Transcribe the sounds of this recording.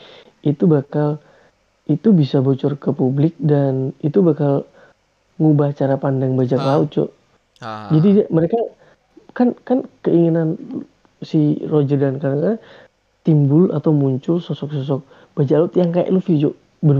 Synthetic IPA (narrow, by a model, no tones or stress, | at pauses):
ʔit̪ubakal | ʔit̪ubisabot͡ʃɔrkəpublɪk̚danit̪ubakal | ŋubaht͡ʃaɾapandaŋbad͡ʒaklaʊt̪̚d͡ʒɔ̰ | d͡ʒadidaməɾeka | kankankəiŋinan | sirod͡ʒərdankaɾakaa | t̪imbʊla̰t̪awmuɲt͡ʃʊlsɔsɔk̚sɔs̬ɔk̚ | b̥ad͡ʒaklaʊt̪̚jaŋkaja̰ʔlufid͡ʒo | bəɾ